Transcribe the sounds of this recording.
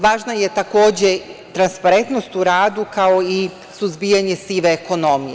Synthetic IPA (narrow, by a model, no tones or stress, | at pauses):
ʋaːʒnajet̪ako̞ːd͡ʑet̪ɾanspaɾe̞nt̪no̞st̪uɾaːd̪ukao̞i | suzbijaɲesiʋeːko̞no̞mije